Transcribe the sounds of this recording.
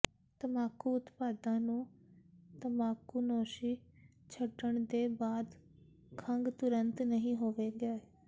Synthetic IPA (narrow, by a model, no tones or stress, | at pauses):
t̪əmaːkuːʊt̪paːd̪ãːnũː | t̪əmaːkuːnoːʃiː | t͡ʃʰəɖəɳd̪eːbaːd̪ | kʰəŋɡt̪ʊɾənt̪nəɦĩːɦoːʋeːɡəe